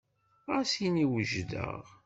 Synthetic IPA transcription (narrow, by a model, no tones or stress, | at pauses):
æsiniwəʒd̪ə̰ʁ